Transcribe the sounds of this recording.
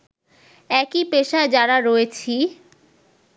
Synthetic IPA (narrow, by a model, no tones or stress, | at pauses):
ɛkipeʃad͡ʑaɾaɾoet͡ɕʰi